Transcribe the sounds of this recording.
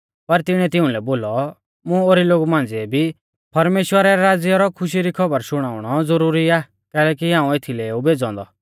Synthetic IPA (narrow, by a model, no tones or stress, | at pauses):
pɐɾt̪ɪɽ̃ɛt̪ɪũlɛboːlɔ | mũoːɾiloːɡumãːn̆d͡ziɛbʱi | pɐɾmeːʃwəɾɛɾaːd͡zjɔɾɔkʰʊʃ̬iɾikʰɐbəɾʃʊɽ̃aːʊɽ̃ɔd͡zɐɾuːɾiaː | kɛːlɛːk̬iɦãːũet̪ʰilɛeːubʱeːd͡zɔ̃ːnd̪ɔ̰